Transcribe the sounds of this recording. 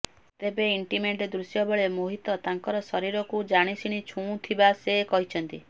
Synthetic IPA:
t̪ebeiɳʈimeɳʈed̪ɾusjɔbɔɭemoɦit̪ɔt̪aŋkɔɾɔsɔɾiɾɔkud͡ʒaɽ̃isiɽ̃it͡ʃʰũt̪ʰibasekɔɦit͡ʃʰɔnt̪i

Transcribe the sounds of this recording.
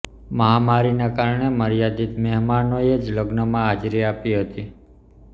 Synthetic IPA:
məɦamaɾinakaɾɳeməɾjad̪it̪mɛɦmanoed͡ʒləɡnəmãɦad͡ʒɾiapiɦət̪i

